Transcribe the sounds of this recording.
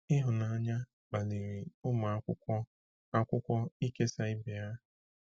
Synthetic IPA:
ɪ˦ɦʊ˨na˨a˦ɲa˦ | ba˨li˨ɾi˨ʊ˦mʊ˨a˦ʊ˦ | a˦kʷʊ˦kʷɔ˦i˦ke˦sa˦ɪ˦be˨ja˦

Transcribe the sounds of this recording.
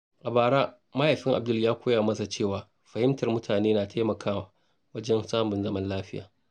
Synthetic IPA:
ʔa˨baː˨ɽaː˦ | ma˦jaː˨ɸɪ˦ŋʔa̰˨b̚dʊ˦˨ljaː˦kʷoː˦jaː˨mɐ˦sa˨t͡ʃeː˦˨waː˨ | ɸɐ˨hɪ˦mtɐ˨rmʊ˦tʰaː˨neː˦naː˨tʰa˦jmɐ˨kʰaː˦wa˨ | wɐ˦d͡ʒɛ˦nsaː˦mʊ˨nzɐ˦mɐ˦nlaː˦ɸɪ˦jaː˨

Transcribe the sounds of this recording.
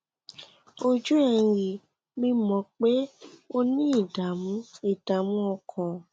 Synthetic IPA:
o˧d͡ʒu˦ɛ˨ji˨ | mĩ˧mɔ̃˨k͡pe˦o˧nĩ˦i˦˨da˨mũ˨˦i˦˨da˨mũ˧˦ɔ˧kʰɔ̃˨

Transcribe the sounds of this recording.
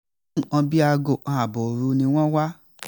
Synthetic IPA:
ɔ̃˧bi˦a˧ɡo˨ã˦a˨bo˨ɾu˦nĩ˧wʷɔ̃˦wa˦

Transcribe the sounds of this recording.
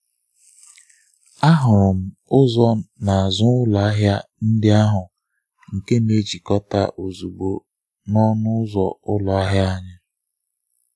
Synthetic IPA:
a˦ɦʊ˨ɾʊ˨m̩˦ | ʊ˦zɔ˦na˨a˨zʊ˦ʊ˦la˦ɦja˦n̩˦dɪ˦a˦ɦʊ˨ | ŋ̩˨ke˦ne˦t͡ʃi˨kɔ˦ta̰˦ʔo˨zu˨ɡ͡bo˨ | nɔ˦nʊ˦zɔ̰˨ʊ˦lɔ˨a˦ɦja˦a˦ɲa˦

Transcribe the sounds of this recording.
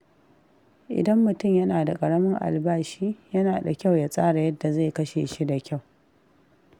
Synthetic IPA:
ʔɪ̰˨dɐ˦mːʊ˨tʊ˦mjɐ˦naː˨da˨kʼɐ˨ɽɐ˦mɪ˦ŋʔa̰˨lbaː˦˨ʃiː˦jɐ˦naː˨da˨kʲa˦˨wja˨sʼaː˦ɽa˨jɐ˦dːa˨za˦˨kɐ˦ʃeː˨ʃi˦da˨kʲa˦˨w

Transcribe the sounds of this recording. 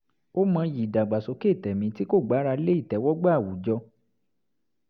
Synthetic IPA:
o˦mã˧ji˨da˨ɡ͡ba˨so˨˦ke˦i˦˨tɛ˨mĩ˨˦ti˦ko˦˨ɡ͡ba˨˦ɾa˧le˦i˦˨tɛ˨˦wɔ˦ɡ͡ba˦˨wu˨˦d͡ʒɔ˧

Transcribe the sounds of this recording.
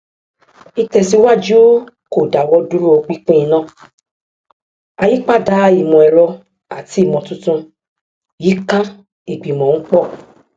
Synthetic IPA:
i˧tɛ˨si˨˧˦wa˦˨d͡ʒu˦ | ko˦˨da˨wɔ˦du˦ɾu˦o˧˦k͡pi˦k͡pĩ˦i˧nã˦˨ | a˧ji˦k͡pa˦˨da˨˦i˨mɔ̃˨ɛ˨ɾɔ˧ | a˨ti˨˦i˦˨mɔ̃˨tũ˦tũ˦ | ji˨˦ka˦ | e˨ɡ͡bi˨mɔ̃˨ŋ̩̃˦k͡pɔ˦˨

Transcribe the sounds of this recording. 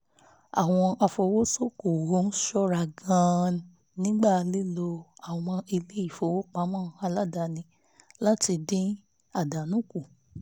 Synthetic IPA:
a˨w̃ɔ̃˧ʔa˧fo˧wo˦so˦ko˨wo˦n̩˦ʃɔ˦ɾa˧ɡã˧ | nĩ˦ɡ͡ba˦˨˧li˦lo˧a˨w̃ɔ̃˧i˧le˦i˦˨fo˨˧wo˦k͡pa˨˦mɔ̃˦hã˧la˦da˧˨nĩ˧ | la˦ti˧dĩ˦ | a˦˨da˨nũ˦ku˦˨

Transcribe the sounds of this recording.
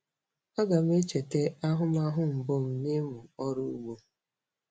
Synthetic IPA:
a˦ɡa˨m̩˦e˦t͡ʃe˨te˦a˦ɦʊ˦m˦a˦ɦʊ˦m̩˨bo˦m̩˨ne˦mu˨ɔ˦ɾu˦u˦ɡ͡bo˦

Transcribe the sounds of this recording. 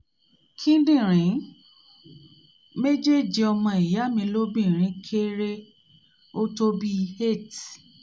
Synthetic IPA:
kʰĩ˦dĩ˦˨ɾ̃ĩ˨˦ | me˦d͡ʒe˦˨d͡ʒi˧ɔ˧mɔ̃˧˨i˨ja˨˦mĩ˧lo˦bĩ˦˨ɾ̃ĩ˨˦kʰe˦ɾe˦ | o˦to˦bi˦˧he˦˨t

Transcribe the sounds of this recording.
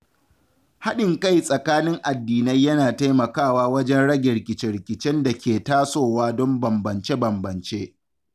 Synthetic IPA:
ha˦ɗɪ˨ŋka˦˨jsʼɐ˨kaː˦nɪ˦ŋʔa˨dːiː˨na˦jːɐ˦naː˨ta˦jmɐ˨kaː˦˨waː˦wɐ˦d͡ʒɛ˦nɽɐ˦ɡʲɛ˨ɾɪ˨kʲɪ˨t͡ʃɛ˨ɾɪ˨kʲɪ˨t͡ʃɛ˦nda˨kʲeː˨taː˦soː˦˨waː˦dɔ˦mbɐ˨mbɐ˨nt͡ʃe˦bɐ˨mbɐ˨nt͡ʃe˦ʔ

